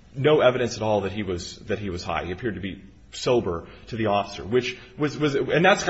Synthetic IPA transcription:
noʊɛvɨɾɨ̃nsɨɾɔlˠðɨt̚ɦiwʌzðɨt̚ɦiwʌz̥ha̰ɪiɨpʰɪɹd̚tʰɨbi | soʊbə˞ | ɾɨðiɔfə̥sə̰˞wɨt͡ʃ | wʌzwʌzɨ̃nðætskʰ

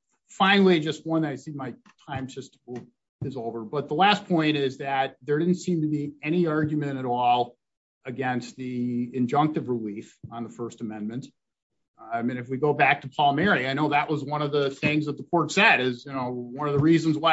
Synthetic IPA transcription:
fãɪ̃nl̩ˠid͡ʒʌst̚wʌ̃nðaɪsimaɪtʰãɪ̃msɨst | ɨzoʊvə˞bʌt̪̚ðəlæspʰɔ̃ɪ̃ɾ̃ɪzðɨt̪̚ðə˞ɾɪdⁿn̩tsĩmtɨbiɛɾ̃iɑɹɡjɨmɨ̃ɾ̃ɨɾɔlˠ | ɨɡɛ̃nst̪̚ðiɨ̃nd͡ʒʌ̃ŋk̚tɨvɹɪlifn̩ðəfɜ˞stəmɛ̃nmɨ̃nt | aɪmĩñɨfwiɡoʊbæk̚tʰəpʰɔlˠmɛɹiaɪñoʊðɨʔwʔʌzwʌ̃nʌvðəθɪ̃ŋzðət̪̚ðəkʰɔɹtsɛɾɪzjɨnoʊwʌ̃nʌvðəɹizɨ̃n̩zwaɪ

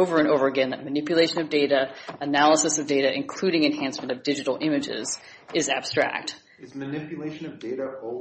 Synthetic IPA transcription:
oʊvə˞ɨ̃noʊvə˞ɨɡɛ̃nðɨt̚mɨnɪpjɨleɪʃɨ̃nʌvdeɪɾɨɨnælˠəsɨsʌvdeɪɾɨʔɨ̃nkʰl̥ʉɾɪ̃ŋɨ̃nhæ̃nsmɨ̃ñtʌvdɪd͡ʒɨɾl̩ˠɪ̃mɨd͡ʒɪ̰z̥ | ɨzæ̰b̥stɹ̥æ̰k̚t | ɨzmɨnɪpjɨleɪʃɨ̃nʌvdeɪɾɨo

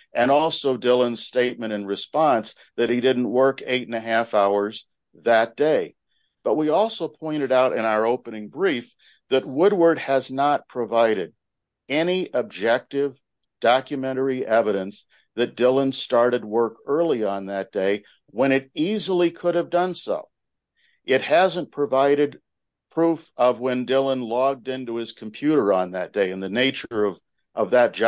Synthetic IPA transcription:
ʔɨ̃nɔlˠsoʊdɪlˠə̃nz̥steɪt̚mɨ̃ɾ̃ɨ̃nɹɨspɑ̃ns | ðɨt̚hidɪdⁿn̩ʔwɜ˞keɪɾn̩ɨɦæfaʊə˞z | ðɨt̚d̥eɪ | b̥ʌt̚wiɔlˠsoʊpʰɔ̃ɪ̃ɾ̃ɨɾaʊɾʔɨ̰̃ɾ̃aʊə˞oʊpənɪ̃ŋbɹif | ðɨt̚wʊd̚wə˞d̚ɨznət̚pʰɹ̥ɨvaɪɾɨɾ | ɛniʔɨb̚d͡ʒɛk̚tɪv | d̥ɑkjɨmɛ̃ɾ̃ə˞iʔɛvɨɾɨ̃ns | ðɨt̚d̥ɪlˠə̃nstɑɹɾɨd̚wɜ˞kɜ˞lˠiə̃nðɨt̚d̥eɪ | wə̃ɾ̃ɨɾizl̩ˠikʰʊɾɨvdʌ̃nso̰ʊ | ʔɪt̚hæzə̃npʰɹ̥ɨvaɪɾɨd̚ | pʰɹ̥ufʌvwɨ̃ndɪlˠə̃nlɔɡ̚dɪ̃ntuɪz̥kʰm̩pʰj̥ʉɾə˞ə̃nðɨt̚d̥eɪɨ̃nðɨneɪt͡ʃə˞ʌv | ʔʌvðɨt̚d̥ʒ̥

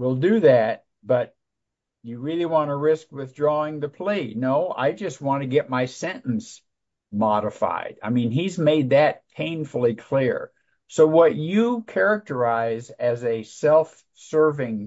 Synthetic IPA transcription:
wilˠdɨðæt̚ | b̥ʌt͡ʃ | ɨɹɪlˠiwɑ̃ɾ̃əɹɪskwɪθdɹɔɪ̃ŋðɨpʰl̥inoʊa̰ɪd͡ʒʌst̚wɑ̃nɨɡɛt̚maɪsɛ̃ñn̩s | mɑɾɨfa̰ɪda̰ɪmĩnizmeɪd̪̚ðɨt̚pʰẽɪ̃nfl̩ˠikʰl̥ɪɹ | soʊwʌt͡ʃɨkʰɛɹɨk̚tə˞aɪzɨzɨsɛlˠf | sɜ˞vɪ̃ŋ

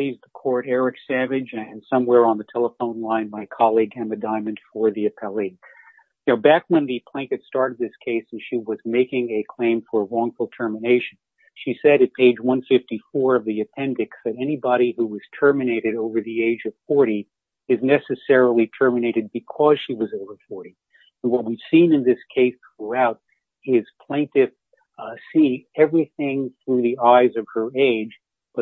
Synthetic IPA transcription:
pʰl̥izðəkʰɔɹɾɛɹɨksævɨd͡ʒɨ̃nsʌ̃mwɛɹə̃nðɨtʰɛlˠəfõʊ̃nlãɪ̃nmaɪkʰɑlˠiɡæ̃mɨdãɪ̃mɨ̃nd̥fə˞ðiɨpʰɛlˠi | naʊbækwə̃nðɨpʰl̥æ̃ŋkɨtstɑɹɾɨd̪̚ðɪskʰeɪsɨ̃nʃiwʌzmeɪkɪ̃ŋɨkʰl̥ẽɪ̃ɱfə˞ɹɔ̃ŋfl̩ˠtʰɜ˞mɨneɪʃɨ̃n̩ | ʃisɛɾɨt̚pʰeɪd͡ʒwʌ̃nfɪftifɔɹʌvðiɨpʰɛ̃ndɨksðɨɾɛnibɑɾihuwʌz̥tʰɜ˞mɨneɪɾɨɾoʊvə˞ðieɪd͡ʒʌv̥fɔɹɾi | ɨznɛsɨsɛɹl̩ˠitʰɜ˞mɨneɪɾɨd̚bɨkʰʌz̥ʃiwʌzoʊvə˞fɔɹɾĩ | n̩wʌt̚wiv̥sĩnɨ̃nðɪskʰeɪsθɹuaʊɾ̚ | ɪz̥pʰl̥ẽɪ̃ntɪv | siɛvɹiθɪ̃ŋθɹʉðiaɪzʌv̥ə˞eɪd͡ʒ | b̥ʌt

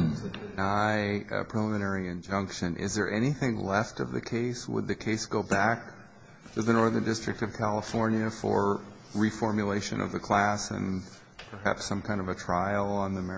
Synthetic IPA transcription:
naɪ̰pʰɹ̥ɨlɪmɨ̃nɛɹiɨ̃nd͡ʒʌ̃ŋkʃɨ̃nʔɪ̰zðə˞ʔɛñiθɪ̃ŋlɛftʌvðɨ̰kʰeɪswə̰d̪̚ðɨkʰeɪsɡ̥oʊbæk̚ | tʰɨðɨnɔɹðə̃˞dɪstɹ̥ɨk̚tʌv̥kʰælˠəfɔɹnjɨfə̰˞ | ɹifɔɹmjɨleɪʃɨ̰̃nʌ̰vðɨkʰl̥æsɨ̰̃n | pʰə˞ɦæ̰psʌ̃mkʰãɪ̃ndʌvɨtʰɹ̥aɪl̩ˠə̃nðimɛ

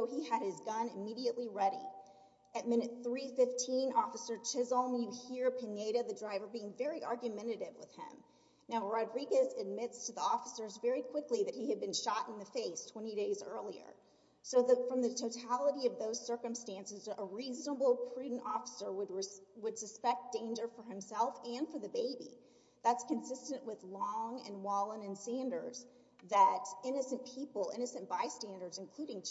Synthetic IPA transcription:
oʊiɨɾ̚ɪzɡʌ̃nɨmiɾiɨʔliɹɛɾḭ | ɨt̚mɪ̃nɨt̪̚θɹifɪftʰĩnɔfəsə˞t͡ʃʰɪzl̩ˠmjɨhiɹpʰɨneɪɾɨðɨdɹaɪvə˞biɪ̃ŋvɛɹiʔɑɹɡjɨmɛ̃ɾ̃ɨɾɪvwɨ̰ð̥ɪ̰̃m | naʊɹɑdɹiɡɨzɨd̚mɪtstʰɨðiɔfəsə˞zvɛɹikʰw̥ɪkliðɨt̚hiɨd̚bɨ̃nʃɑɾ̃n̩ðɨfeɪstʰw̥ɛ̃ɾ̃iɾeɪzɜ̰˞lˠiə̰˞ | soʊðɨfɹʌ̃mðɨtʰoʊtʰælˠəɾiʌvðoʊz̥sɜ˞kɨ̃mstæ̃nsɨzəɹiznəbl̩ˠpʰɹ̥ʉdⁿn̩tɔfə̥sə˞wəd̚ɹwəd̥sɨspɛk̚t̚d̥ẽɪ̃nd͡ʒə˞fə˞ɨ̃msɛlˠfɨ̃nfə˞ðɨbeɪbḭ | ðætskɨ̃nsɪstɨ̃nʔwɨðlɔ̃ŋɨ̰̃nwɔlˠə̃nɨ̃nsæ̃ndə˞z̥ | ðɨɾɪ̃nɨsɨ̃npʰipl̩ˠɪ̰̃ñɨsɨ̃nb̥aɪstæ̃ndə˞dzɨ̃nkʰl̥uɾɪ̃ŋ

